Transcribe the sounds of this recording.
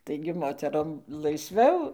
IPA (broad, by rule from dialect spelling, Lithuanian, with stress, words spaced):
ˈtɐɪɡʲɪ ˈmoːtʲɛroːm lˠɐɪsʲˈʋʲɛʊ